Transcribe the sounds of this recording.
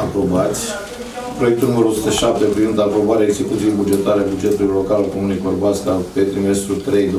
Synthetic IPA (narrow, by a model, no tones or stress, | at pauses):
apɾo̞bat̪sʲ | pɾo̞jekt̪ulnuməɾuosu̥t̪əʃap̚t̪epɾivind̪apɾo̞baɾeaeɡzekut̪siebud͡ʒe̞t̪aɾeabud͡ʒe̞t̪uluilo̞kalkomunikorbaskape̞t̪ɾime̞st̪ɾut̪ɾe̞jd̪